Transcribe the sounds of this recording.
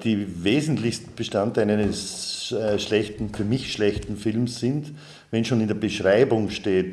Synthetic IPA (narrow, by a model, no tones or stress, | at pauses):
d̥iːveːzn̩tlɪçstn̩b̥əʃtantaɪlədɛs | ʃlɛçtn̩fyːɐmɪçʃlɛçtn̩fɪlmsːɪnt | vɛnʃoːnɪndeːɐbəʃʁaɪbʊŋʃteːt